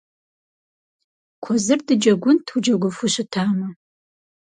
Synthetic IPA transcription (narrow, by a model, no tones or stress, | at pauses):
kʷʰɔzɨrdɨd͡ʒɐɡʷʊntʰud͡ʒɐɡʷʊfʊɕɪtʰaːmɐ